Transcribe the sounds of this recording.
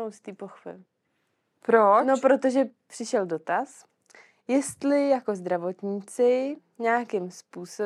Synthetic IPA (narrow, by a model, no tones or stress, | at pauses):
owst̪iːpoxfɪ̰l | pɾono̞pɾo̞t̪o̞ʒɛpr̥ɪʃɛldo̞t̪as | jɛst̪lɪjako̞zd̪ɾavo̞t̪ɲiːt͡sɪ | ɲɛːkɪmspuːso